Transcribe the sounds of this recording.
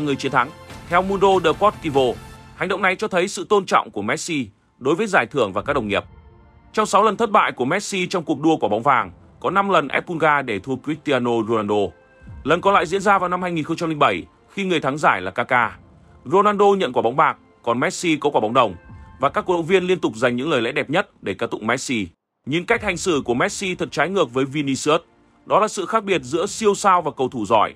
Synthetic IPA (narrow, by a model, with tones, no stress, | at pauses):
ŋɨ˨˩əjt͡ɕi˨˦ənt̪ʰa˨˦ŋt̪ʰɛ˧wmu˧nɗo˧ɗəː˨˩kɔ˦˥t̚ki˧vo˧ha˨˩ŋ̟ɗə̰˧˨wŋ͡mna˨˩jt͡ɕɔ˧t̪ʰə˨˦jsɨ̰˧˨t̪o˧nt͡ɕɔ̰˧˨wŋ͡mku˧˩əmɛ˦˥t̚si˧ | ɗo˨˦jvəː˨˦jzaː˧˩jt̪ʰɨ˧˩əŋvaː˨˩kːaː˦˥ɗə˨˩wŋi˨˩əp̚ | t͡ɕɔ˧wŋ͡msa˨˦wlə˨˩nt̪ə˦˥t̚ɓa̰ː˧˨jku˧˩əmɛ˦˥t̚si˧t͡ɕɔ˧wŋ͡mku˨˩ək̚ɗu˧əku˧˩ɓa˨˦wŋ͡mvaː˨˩ŋ | kɔ˨˦na˧mlə˨˩nʔɛ˦˥p̚ku˧nɣaː˧ɗe˧˩t̪ʰu˧əkwi˦˥k̚t̪i˧aː˧no˧zo˧naː˧nɗo˧ | lə˨˩nkɔ˨˦la̰ː˧˨jzḭ˧˥ənzaː˧vaː˨˩wna˧mhaː˧jŋi˨˩nxə˧ŋ͡mt͡ɕa˧mli˧ŋ̟ɓə˧˩j | xi˧ŋɨ˨˩əjt̪ʰa˨˦ŋzaː˧˩jlaː˨˩kaː˧kaː˧ | zo˧naː˧nɗo˧ɲə̰˧˨nkwaː˧˩ɓa˨˦wŋ͡mɓaː˨˩k̚ | kɔ˨˩nmɛ˦˥t̚si˧kɔ˨˧˦kwaː˧˩ɓa˨˦wŋ͡mɗə˨˩wŋ͡mvaː˨˩kaː˦˥kːɗə̰˧˨vi˧ənli˧ənt̪ʊ˨˩k͡p̚za˨˩jŋ̟ɲɨ̰˧˥ŋləː˨˩jlɛ̰˧˥ɗɛ˨˩p̚ɲə˦˥t̚ɗe˧˩kaː˧˩t̪ʊ̰˧˨ŋ͡m̚mɛ˦˥t̚si˧ | ɲi˨˦nka˦˥k̟̚ha˨˩jŋ̟sɨ̰˧˩ku˧˩əmɛ˦˥t̚si˧t̪ʰə˨˩t̚t͡ɕaː˨˦jŋɨ˨˩ək̚vəː˨˦jvi˧ni˧sɨ˦ə˥t̚ | ɗɔ˨˦laː˨˩sɨ̰˧˨xaː˦˥k̚ɓi˨˩ət̚zɨ̰˧˥əsi˧əwsaː˧wvaː˨˩kə˨˩wt̪ʰu˧˩zɔ̰˧˩j